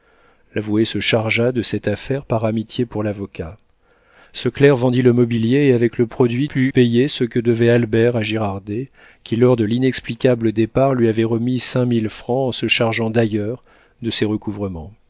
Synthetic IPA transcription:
lavwesəʃaʁʒad̪əsɛt̪afɛʁpaʁamit̪jepuʁlavɔkʲa | səklɛʁvɑ̃d̪iləmɔbiljeːavɛkləpχɔd̪ɥipʰypejesəkəd̪əvɛalbɛʁaʒiʁaʁd̪e | kʲilɔʁd̪əlinɛksplikʲabləd̪epaʁlɥiavɛʁəmisɛ̃milfχɑ̃ɑ̃səʃaʁʒɑ̃d̪ajœʁ | d̪əsɛʁəkuvʁəmɑ̃

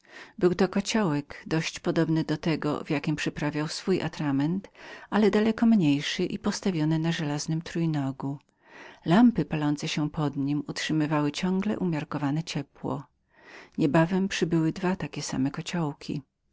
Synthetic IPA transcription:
bɘwt̪ɔkɔt͡ɕawɛɡd̪ɔɕt͡ɕpɔd̪ɔbnɘd̪ɔt̪ɛɡɔ̰vjakʲimpʂɨpɾavʲjawsfujʔa̰t̪ɾamɛnt̪ʔalɛd̪alɛkɔmɲejʂɘʔipɔst̪avʲjɔnɛnaʐɛlaznɘmt̪ɾujnɔɡu | lampɘpalɔnt̪sɛɕɛpʰɔd̪ɲimutʂɘmɘvawɘt͡ɕɔ̃ŋɡlɛ̰ʔumʲjaɾkɔvanɛt͡ɕɛpwɔ̰ | ɲɛbavɛmpʂɘbɘwɘd̪vat̪akʲɛsa̰mɛkɔt͡ɕawkʲʰi

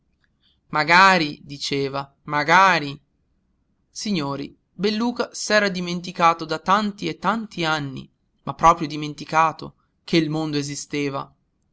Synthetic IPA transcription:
maɡaːɾid̪it͡ʃeːva | maɡaːɾi | siɲːoːɾḭ | belːuːkasɛːɾad̪iment̪̬ikaːt̪od̪at̪ant̪iet̪ːant̪ianːḭ | mʔapːɾɔːpɾjod̪iment̪ikaːt̪o̰ | k̟eilmond̪oezist̪eːva̰

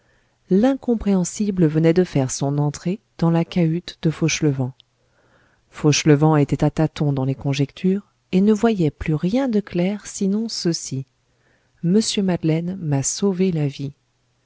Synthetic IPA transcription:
lɛ̃kɔ̃pχeɑ̃sibləvənɛd̪əfɛʁsɔ̃nɑ̃t̪χe | d̪̥ɑ̃lakayt̪d̪əfoʃləvɑ̃ | foʃləvɑ̃et̪ɛt̪at̪at̪ɔ̃d̪ɑ̃lekɔ̃ʒɛkt̪ʰyʁ | enəvwajɛplyʁjɛ̃d̪əklɛʁsinɔ̃səsi | məsjømad̪lɛnmasovelavi

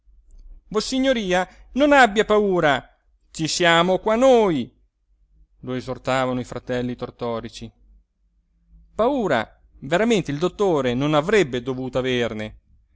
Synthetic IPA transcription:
vosiɲːoɾiːanonabːjapauːɾa | t͡ʃisjaːmokwanːoːj | loezort̪aːvanoifɾat̪ɛlːit̪ort̪ɔːɾit͡ʃi | pauːɾa̰ | veɾament̪eild̪ot̪ːoːɾenonavɾɛbːed̪ovuːt̪oaverne

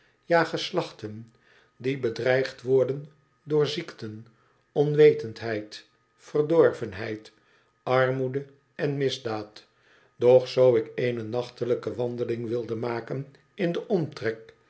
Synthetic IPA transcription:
jaːχəslɑχtən | dibədrɛjχtʋɔɹdən | dʊːɹziktən | ɔnʋejtəntɦɛjt | fərdɔɹvənɦɛjt | ɑɹmudə | ɛnmɪzdaːt | d̥ɔχsowɪkejnənɑχtələkəʋɑndəlɪŋʋɪlˠdəmaːkən | ɪndəʔɔmtrɛk̚

